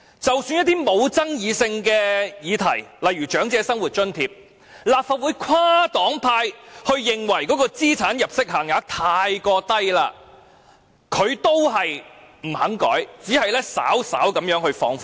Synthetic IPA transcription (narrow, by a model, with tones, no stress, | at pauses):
t͡sɐ˨wsyː˧njɐ˥t̪iː˥mo˨˧wt͡sɐ˥ŋjiː˨˧sɪ˧ŋkɛː˧jiː˨˧t̪ʰɐ˨˩jlɐ˨jɥyː˨˩t͡ʃœː˨˥ŋt͡sɛː˨˧sɐ˥ŋwuː˨˩t̚t͡ʃɵ˥nt̪ʰiː˧p̚ | laː˨p̚faː˨t̚wuː˨˥jkʷʰaː˥t̪ɔː˨˥ŋpʰaː˧jhɵ˧ɥjɪ˨ŋwɐ˨˩jkɔː˨˥kɔː˧t͡siː˥t͡sʰaː˨˥njɐ˨p̚sɪ˥k̚haː˨˩ŋjaː˨˥t̪ʰaː˧jkɔː˧t̪ɐ˥jla̰ː˧ | kʰɵ˨˧ɥt̪o˥wɦɐ˨j | m̩˨˩hɐ˨˥ŋkɔ̰ː˨˥jt͡siː˨˥hɐ˨jlɛː˥sa̰ː˨˥wsa̰ː˨˥wkɐ˨˥mjœː˨˧˥ŋhɵ˧ɥfɔː˧ŋf